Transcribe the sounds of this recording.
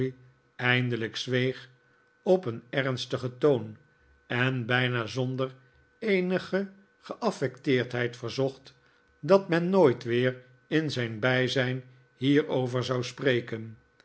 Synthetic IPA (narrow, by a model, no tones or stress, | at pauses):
ɛjndələksʋejχ | ɔpənɛʁnstəχətown | ɛnbɛjnaːzɔndər | ejnəχə | χəʔɑfɛktɪːɹtɦɛjtfəɹzɔχt | dɑtmɛnːojtʋɪːr | ɪnzɛjnbɛjzɛjn | hiːɹowvəɹzɑwsprejkən